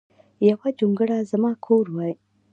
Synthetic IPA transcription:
jawad͡ʒoŋɡəɽazamɑkʰoɾwɑj

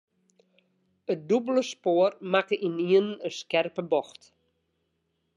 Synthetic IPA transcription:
ət̚dubələspoərmakəʔiniənəskɛrpəbɔxt

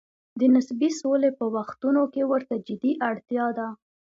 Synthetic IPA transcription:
d̪ənɪsbisolepəwaxt̪unokewəɾt̪ad͡ʒɪd̪iʔaɽt̪jɑd̪a

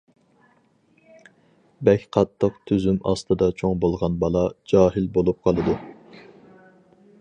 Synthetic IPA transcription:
bɛkʲqʰɑt̪ʰːəqt̪ʰyzymɑ̰st̪ʰɨd̪ɑt͡ʃʰoŋbolˠʁɑnbɑlˠɑd͡ʒɑːɦɪlbolˠup̚qʰɑlˠɨd̪u

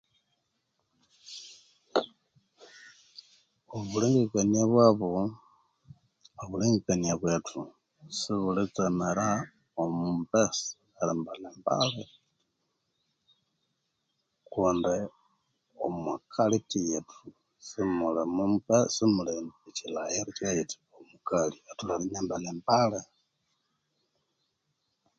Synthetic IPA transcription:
oβuliŋɡekaɲiaβwaβo | oβuliŋɡekaɲaβwetʰu | siβulit͡semeɾa | omumpes | alimbalemba̰le | kunde | o̰mwakʰalitijetʰu | simulemumpesimuleet͡ʃilajeɾit͡ʃajiti̥omukaliatulaliɲambalembale

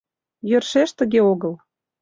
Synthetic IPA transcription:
jø̆rʃeʃt̪ə̆ɣeoɣəl

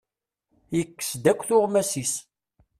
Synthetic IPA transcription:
jəkːə̥sd̪ækʷːθʊʁmæsis

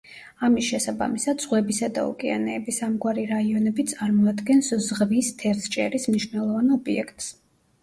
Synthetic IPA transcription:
amisʃɛsaba̰misad̪z̥ʁwɛbisad̪a̰ṵkʼɛa̰nɛːbisamɡwaɾiɾaiɔnɛbit̪sʼaɾmɔad̪ɡɛnszʁvist̪ʰɛɾst͡ʃʼɛɾismniʃwnɛlˠɔvanɔbiɛ̰kʰt̪ʼs

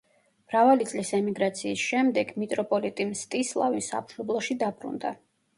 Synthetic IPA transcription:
mɾavalit̪sʼlisɛmiɡɾat̪sʰiːsʃɛmd̪ɛɡmit̪ʼɾɔpʼɔlit̪ʼimst̪ʼislˠa̰visa̰pʰʃɔblˠɔʃid̪abɾṵnd̪a̰

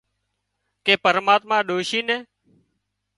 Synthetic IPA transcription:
keːpəɾmaːt̪mãːɗoːʃiːnɛː

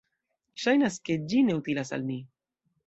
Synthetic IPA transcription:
ʃajnaske̞d͡ʒine̞ut̪ilasa̰lmi

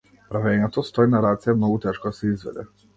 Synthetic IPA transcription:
pɾavɛɲɛt̪ɔst̪ɔinaɾat̪sijamnɔɡut̪ɛʃkɔd̪asɛizvɛ̰d̪ɛ̰

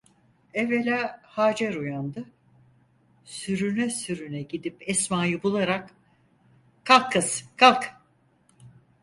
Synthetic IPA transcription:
ɛvelʲaːhaːd͡ʒɛɾujand̪ɯ | syɾynɛsyɾynɛɟid̪ipɛsmaːjɯbulˠaɾak | kʰːalˠkʰːɯz̥kʰalˠk

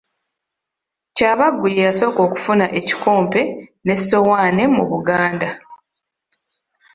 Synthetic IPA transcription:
caːβaɡːujejaso̞ːko̞ːku̥funaʔeci̥ko̞ːmpe̞ne̞so̞waːne̞muβuɡaːnda

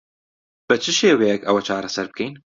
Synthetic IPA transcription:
b̥ɨt͡ʃʰɨʃeːwɛjɛkɐwɐt͡ʃʰaːɾɐsɐɾb̚kʰɛjn

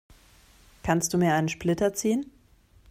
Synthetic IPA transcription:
kʰanstd̥uːmiːɐʔaɪnənʃplɪtɐt͡siːən

